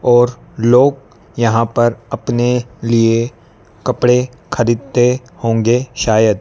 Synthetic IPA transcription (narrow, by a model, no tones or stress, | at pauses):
ɔːɾ | loːɡ̚ | jɐɦãpɐɾɐpnelie | kɐpɽe | kʰɐɾiːd̪̚t̪e | hõːŋɡeʃaːjəd̪